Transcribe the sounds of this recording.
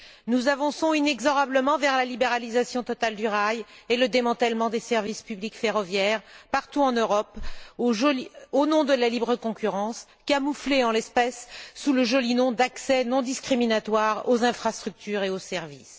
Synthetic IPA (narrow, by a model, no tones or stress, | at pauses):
nuzavɑ̃sɔ̃inɛɡzɔʁabləmɑ̃vɛʁlalibeʁalizasjɔ̃t̪ɔt̪ald̪yʁajeləd̪emɑ̃t̪ɛlmɑ̃d̪esɛʁvispyblikfeʁɔvjɛʁpaʁt̪uɑ̃nøʁɔpoʒonɔ̃d̪əlalibʁəkɔ̃kʲyʁɑ̃skʲiamufleɑ̃lɛspɛsːuləʒɔlinɔ̃d̪aksɛnɔ̃d̪iskχiminat̪waʁozɛ̃fχast̪χyk̚t̪yːʁeosɛʁvḭs